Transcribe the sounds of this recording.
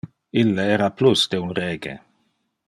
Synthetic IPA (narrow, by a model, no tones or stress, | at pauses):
ilːeɛːɾaplusd̪eunreːɡḛ